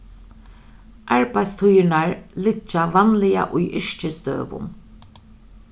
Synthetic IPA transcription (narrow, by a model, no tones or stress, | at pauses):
ʔaɹpaɪt̪st̪ʰʊjɪnaɹlɪt͡ʃːaʋanlɪja̰ʔʊjʔɪʂt͡ʃɪst̪ø̰ːpʊ̰n